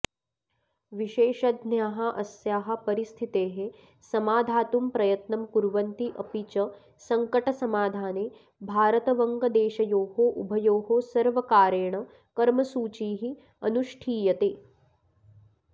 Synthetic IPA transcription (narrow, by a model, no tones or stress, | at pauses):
ʋiʃeːʃɐd̪njaːɦaʔɐsjaːɦɐ̆pɐɾist̪ʰit̪eːɦe | sɐmaːd̪ʱaːt̪umpɾɐjɐt̪nɐmpuɾʋɐnt̪iʔɐpit͡ʃɐ | sɐŋkɐʈɐsɐmaːd̪ʱaːneː | bʱaːɾɐt̪ɐʋɐŋɡɐd̪eːʃɐjoːɦoʔubʱɐjoːɦosɐɾʋɐkaːɾjeɐɳ̃ɐ | kɐɾmɐsuːt͡ʃiːɦi | ɐnuʃʈʰiːjɐt̪eː